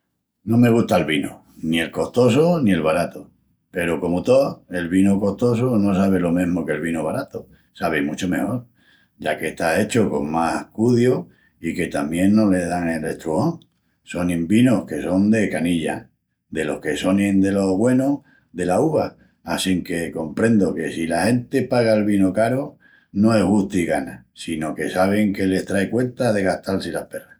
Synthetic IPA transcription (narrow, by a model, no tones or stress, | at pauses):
nome̞ɣ̞uht̪alβino | nie̞lko̞ht̪o̞s̬onie̞lβaɾat̪o | pe̞ɾoko̞mot̪oe̞lβinoko̞ht̪o̞s̬ono̞saβ̞elo̞mẽɦmoke̞lβinoβaɾat̪o | saβ̞emut͡ʃome̞ho̞ɾ | ɟ͡ʝake̞ht̪ae̞t͡ʃoko̞̰ŋmahkuðjo | ike̞t̪amje̞nːo̞le̞ðaŋelḛht̪ɾuoŋ | so̞nĩmbino̞hke̞so̞nd̪e̞kaniʎa̰ | d̪e̞lo̞̰hke̞so̞nẽnd̪e̞lo̞βwe̞no | ðe̞lauβaː | siŋke̞ko̞mpɾe̞nd̪oke̞silahe̞nt̪e̞paɣ̞aelβinokaɾo | no̞e̞ɦɣuht̪iɣanasino̞ke̞saβ̞e̞ŋke̞le̞st̪ɾaekwe̞nt̪aðe̞ɣaht̪alsilahpe̞ra